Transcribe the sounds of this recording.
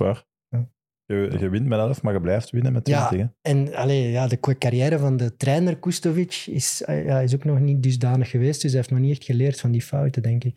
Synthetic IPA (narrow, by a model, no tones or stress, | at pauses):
a̰r | jaː | ɣəɣəʋɪntmɛnɛləfmaːɣəblɛjftʋɪnəmɛtjaɪntɪɣəɛnɑ̰leːjaːdəkkaɾjɛːɾəvɑndətɾɛːnərkustovɪt͡ʃɪ̰sjaːɪz̬oːknɔxnit̚dʏzdaːnəxːəʋeːstd̥ʏs̬ɛɪftnɔxniɛxtxəleːrtfɑndiːfɑwtədɛŋkɪk